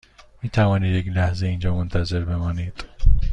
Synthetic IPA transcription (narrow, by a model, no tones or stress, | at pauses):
miːt̪ʰævɒːniːd̪jeklæhzeiːnd͡ʒɒːmont̪ʰæze̞ɾbe̞mɒːniːd̪̥